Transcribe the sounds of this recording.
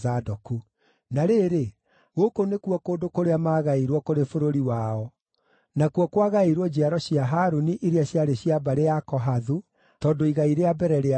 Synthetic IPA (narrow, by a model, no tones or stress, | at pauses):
zadɔku | naɾeːɾe | ɣokonekuɔkoːdokoɾeamaːɣaiɾwɔkoɾefoɾoɾiwaɔ | nakuɔkwaɣaeiɾwɔd͡ʑiaɾɔɕiaɦaːɾuniʔiɾeaɕjaɾeɕiabaɾejakɔɦaðu | tɔːdoiɣaiɾeabɛɾɛɾea